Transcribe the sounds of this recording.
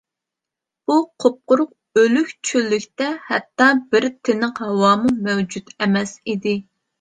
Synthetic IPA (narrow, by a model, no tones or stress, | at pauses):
b̥uqʰop̚qʊɾʊq̚ | ølykʲt͡ʃʰylːykʲt̪ɛhɛ̰t̪ːɑbɪɾt̪ʰɪnəqhɑwɑːmumɛwd͡ʒut̪ɛmɛsid̪ɪ